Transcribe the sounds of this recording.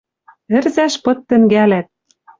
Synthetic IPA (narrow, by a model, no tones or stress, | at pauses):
ɘ̆rzæʃpɤ̆t̪ːɘ̆ŋɡælæt̪̚